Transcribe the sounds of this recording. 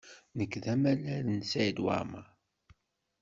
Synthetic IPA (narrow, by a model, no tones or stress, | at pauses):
nəkːðæmælæɾənsæjəd̪wa̰ɾma